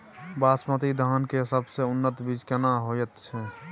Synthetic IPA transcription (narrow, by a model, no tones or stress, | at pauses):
basmət̪id̪ʱankesəbseunːət̪bid͡ʒkenaɦojət̪t͡ʃʰɛ